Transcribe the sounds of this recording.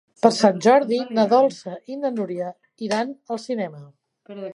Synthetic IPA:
pəɾsanʲʒɔɾðinəðɔlˠsəʔind̪ənuɾiə | iɾanəlˠsinɛmə

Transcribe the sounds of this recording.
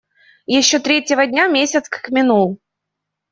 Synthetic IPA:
jɪɕːot̪ɾʲetʲɪvədʲnʲamʲesʲət̪skə̥kmʲɪnulˠ

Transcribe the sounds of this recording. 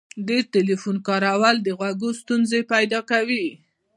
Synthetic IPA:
ɖ̪eɾʈelifunkɑɾawald̪əɣwaɡost̪unzepajd̪ɑkawi

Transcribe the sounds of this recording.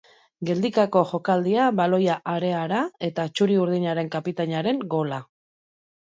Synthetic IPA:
ɡe̞ld̪ikako̞ʝo̞kald̪iaβalo̞jaʔaɾe̞aɾae̞t̪at͡ʃuɾiuɾðiɲaɾe̞ŋkapit̪aɲaɾe̞ŋɡo̞la

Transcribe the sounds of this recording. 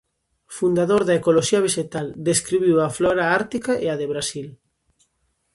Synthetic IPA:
fund̪aðoɾðaekoloʃiɐβeʃet̪ald̪eskɾiβiwaflɔɾaaɾt̪ikaʔeaðeβɾasil

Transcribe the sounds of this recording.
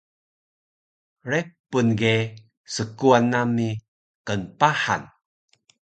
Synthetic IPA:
ɾepunɡe | səkuanːami | kənpaħa̰n

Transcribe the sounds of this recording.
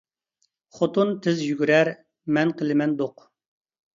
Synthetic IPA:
χot̪unt̪ʰɪzjyɡʲyɾɛɾ | mɛnqʰəlɪmɛnd̪oq

